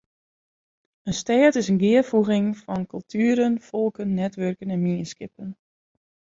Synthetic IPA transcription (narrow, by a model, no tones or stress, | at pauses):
ənstɛːtɪsənɡɪərfuɣɪŋfɔnkɵlˠtʰyəɾənfɔlˠkənːɛtʋørkənɛnminiskɪpən